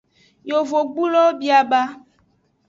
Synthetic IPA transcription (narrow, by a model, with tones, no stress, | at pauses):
jo˨vo˨ɡ͡bu˦lɔ˦bi˦a˨ba˦